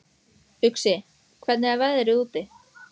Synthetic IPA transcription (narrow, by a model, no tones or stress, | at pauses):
ʏksɪ | kʰvɛt̪nɪavɛðɾɪðuːt̪ɪ